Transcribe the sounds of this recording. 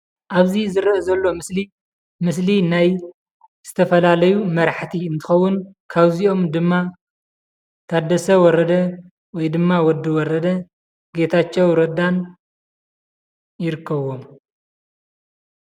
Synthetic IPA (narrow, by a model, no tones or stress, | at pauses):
ʔaβzizɨɾɐʔzɐlːo̞mɨsli | mɨs̬linaj | z̥ɨt̪ʰɐfɐlalɐjumɐɾħt̪ʰiɨnt̪ʰɨ̥xɐwːʊnkʰaβziʔo̞md̪ɨmːa | t̪ʰad̪ɐsɐwɔɾɐd̪ɐ | wɔjd̪ɨmːawɔd̪ːɨwɔɾɐd̪ɐ | ɡe̞t̪ʰat͡ʃːɛwɾɐd̪an | jɪɾɨkʰːɐβːo̞m